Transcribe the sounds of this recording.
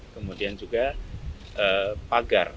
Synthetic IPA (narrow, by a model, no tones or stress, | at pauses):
kəmudiand͡ʒuɡa | ʔəpaɡar